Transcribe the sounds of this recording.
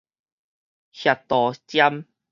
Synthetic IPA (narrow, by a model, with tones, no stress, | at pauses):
hja˨˩t̪ɔ˨t͡ɕja˦m